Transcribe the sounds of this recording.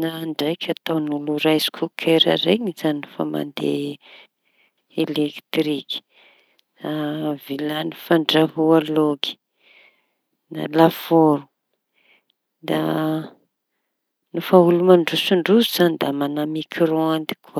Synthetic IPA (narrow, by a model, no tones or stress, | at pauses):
naːɳɖ͡ʐajkʰʲat̪awnuluɾajzi̥kʰukʰeɾa̰ɾeŋizannufa̰ma̰nd̪ḛ | elekt̪riki̥ | avilanifaɳɖ͡ʐaɦualoɡi̥ | na̰lafoɾu̥ | d̪a̰ | nufaulumaɳɖ͡ʐusuɳɖ͡ʐuzuzand̪amanamikʰroand̪i̥kʰuə